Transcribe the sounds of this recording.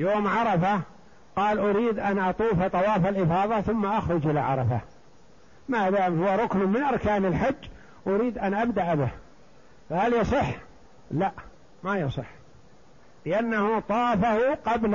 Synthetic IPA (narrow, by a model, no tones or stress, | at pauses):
joːmʕɑɾˤɑfa | qɑːlʔʊɾiːd̪ʔanʔɑt̪ˤuːft̪ˤɑwɑːfalʔɪfɑːðˤɑθʊmːaʔaxɾʊd͡ʒʔɪlaʕɑ̰ɾˤɑfa̰ | mad̪aːmhʊwːaɾˤʊknmɪnʔɑɾˤkaːnalħad͡ʒː | ʔʊɾiːd̪ʔanʔabd̪aʔbɪh | fahaljɑsˤɨħː | laʔ | majɑsˤɨħː | lɪʔanːahʊt̪ˤɑːfahʊqɑbl